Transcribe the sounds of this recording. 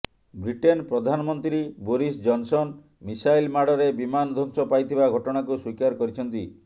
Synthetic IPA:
bɾiʈenpɾɔd̪ʱanɔmɔnt̪ɾiboɾisd͡ʒɔnsɔn | misajlmaɽɔɾebimanɔd̪ʱɔŋsɔpajt̪ʰibaɡʱɔʈɔɽ̃akuswikaɾkɔɾit͡ʃʰɔnt̪i

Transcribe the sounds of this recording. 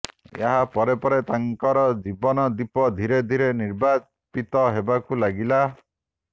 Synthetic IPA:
ḛɦapɔɾepɔɾet̪aŋkɔɾɔd͡ʒibɔnɔd̪ipɔd̪ʱiɾed̪ʱiɾeniɾba | pit̪ɔɦebakulaɡila

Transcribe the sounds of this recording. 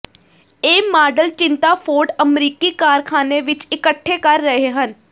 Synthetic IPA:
eːmaːɖəlt͡ʃɪ̃nt̪aːpʰoːɾɖəmɾiːkiːkaːɾkʰaːneːʋɪt͡ʃɪkəʈʰːeːkəɾːəɦeːɦən

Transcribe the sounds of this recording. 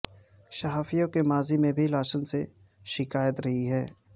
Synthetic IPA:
ʃɐɦaːfijõkemaːzimẽbʱilaːʃənse | ʃɪkaːjət̪ɾɐɦiɦɛː

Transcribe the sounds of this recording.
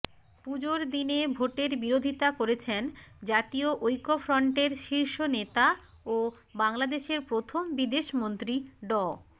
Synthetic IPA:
pud͡ʑoɾd̪inebʱoʈeɾbiɾod̪ʱit̪akoɾet͡ɕʰend͡ʑat̪ioʔojkofɾɔɳʈeɾʃiɾʃonet̪a | o | baŋlad̪eʃeɾpɾot̪ʰombid̪eʃmont̪ɾiɖɔ

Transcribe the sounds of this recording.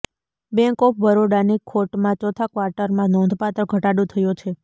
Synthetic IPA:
bɛ̃ŋkɔpʰbəɾoɽanikʰːoʈmãt͡ʃɔt̪ʰakʋaɾʈəɾmãnɔ̃nd̪ʱpat̪ɾəɡʱəʈaɽũt̪ʰəjot͡ʃʰe

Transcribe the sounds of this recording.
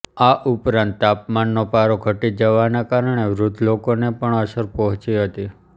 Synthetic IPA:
aʔupɾãnt̪ːapmanːopaɾoɡʱəʈid͡ʒəʋanekaɾɳeʋɾʊd̪ʱlokonepəɳəʃəɾpəɦʊ̃t͡ʃiɦət̪i

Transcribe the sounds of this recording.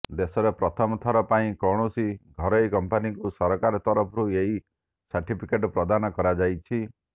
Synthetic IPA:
d̪esɔɾepɾɔt̪ʰɔmɔt̪ʰɔɾɔpaĩkɔɽ̃usiɡʱɔɾɔjkɔmpanikusɔɾɔkaɾɔt̪ɔɾɔpʰɔɾueɦi | saɾʈipʰikeʈɔpɾɔd̪anɔkɔɾad͡ʒajt͡ʃʰi

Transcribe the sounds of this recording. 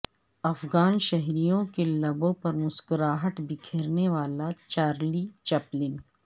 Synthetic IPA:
ɐfɡaːnʃɛɦɾijõkelɐbõpɐɾmʊskɾaːɦəʈbɪkʰeːɾneʋaːlat͡ʃaːɾliːt͡ʃɐplɪn

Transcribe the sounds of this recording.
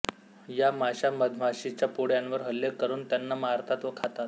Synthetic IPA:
jamaɕaməd̪ʱm̤aɕit͡ɕjapoɽjanʋəɾɦəlːjəkəɾuːnt̪janːamaɦaɾt̪ʰat̪ʋəkʰat̪at̪̚

